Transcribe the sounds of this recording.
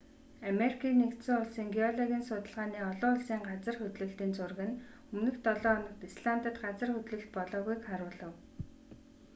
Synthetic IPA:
ameɾikʰiːnːekt̪sɘ̆ŋʊɮsiːŋɡiɔɮɔɣʲiːnsʊt̪ə̆ɮʁaːniːɔɮɔːʊɮsiːŋɢat͡sə̆rxɵt̪ɮɘ̆ɬt̪iːnt͡sʊrɣɘ̆n | ɵmnɘ̆xt̪ɔɮɔːnɞ̆kt̪isɮant̪ə̆t̪ɢat͡sə̆rxɵt̪ɮɘ̆ɬt̪̚pɔɮɔːɣujkχaɾʊːɮə̆w

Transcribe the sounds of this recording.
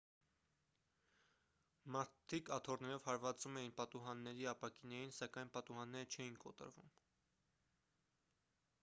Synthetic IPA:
mɑɾt̪ʰikɑt̪ʰɔrnɛɾɔv̥hɑɾvɑt͡sumɛjinpɑt̪uɦɑnːɛɾiɑpɑkinɑjinsɑkɑjnpɑt̪uhɑnːɛɾət͡ʃʰɛjinkɔ̰t̪ə̰ɾvṵm

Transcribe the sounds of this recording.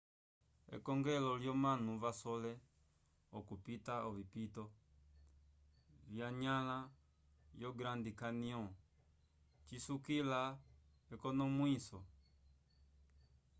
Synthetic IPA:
ɛ̰kɔŋɡɛlɔljɔmanuvasɔlɛ | ɔkupitaɔvipitɔ | vjaɲala | jɔɡɾandikaniɔ̃ | t͡ʃisukila | ɛkɔnɔmwisɔ

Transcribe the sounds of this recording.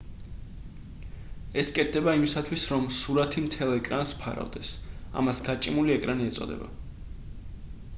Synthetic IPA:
ɛskʼɛt̪̚ʰd̪ɛbaimisat̪ʰwisɾɔmsuɾat̪ʰimt̪ʰɛlˠɛkʼɾanspʰa̰ɾa̰vd̪ɛsa̰masɡat͡ʃʼimuliɛkʼɾaniɛt̪sʼɔ̰d̪ɛ̰ba̰

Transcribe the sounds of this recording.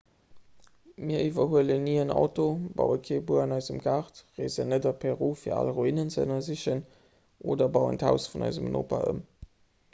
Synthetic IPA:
miːɐʔivɐhuələnːiːənɑ̰ʊtobɑ̰ʊəkʰebuəɑnɑɪzəmɡaʁtʁezənədɐpʰɛʁuːfiːɐa̰lʁoinənt͡səə̰nɐziɕən | ʔoːdɐbɑʊə̰ntʰaʊsfunɑ̰ɪzəmnʔo̰ːpa̰ʔə̰m

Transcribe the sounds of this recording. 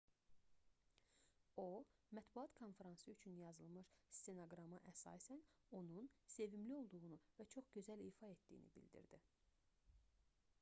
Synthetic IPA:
o̞mæt̪buɑt̪kʰo̞nfeɾɑnsɯyt͡ʃʰynjɑzɯlˠmɯʃst̪enoɡɾɑmɯʔæsɑ̰ːsæno̞nunse̞vimlio̞lˠd̪uɣunuvæt͡ʃʰo̞χɟø̞zæliːfɑe̞t̪d̪ḭjḭnḭbḭld̪ḭɾd̪i

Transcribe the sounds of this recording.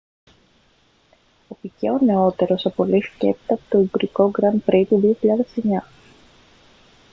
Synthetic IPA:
o̞pice̞̰o̞ne̞o̞t̪e̞ɾo̞sɐpo̞lifce̞̰pi̥t̪ɐpo̥t̪oibɾiko̞ɡɾɐnpɾit̪uðio̞çiʎɐðe̞se̞ɲɐ

